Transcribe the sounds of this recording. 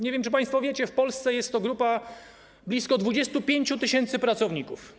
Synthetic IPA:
ɲevʲjɛmt͡ʂɘp̬ãj̃st̪fɔvʲjet͡ɕɛfpɔlst̪sɛjɛst̪ːɔɡɾupa | blʲiskɔd̪vud͡ʑɛst̪upʲjeɲt͡ɕut̪ɘɕɛnt̪sɘpɾat̪sɔvɲikuf

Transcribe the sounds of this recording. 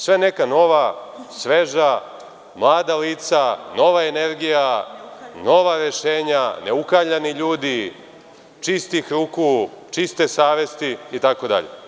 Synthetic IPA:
sʋene̞kano̞ʋasʋe̞ʒa | mlˠaːd̪aliːt̪sano̞ʋaene̞ɾɡija | no̞ʋaɾe̞ʃe̞ːɲane̞ukaʎaniʎuːd̪i | t͡ʃist̪ixɾuːkut͡ʃist̪e̞saːʋe̞st̪iit̪ako̞d̪a̰ʎḛ

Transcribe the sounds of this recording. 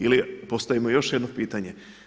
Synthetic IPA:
ilipo̞st̪aʋimo̞jo̞ʃjed̪no̞piːt̪aɲe

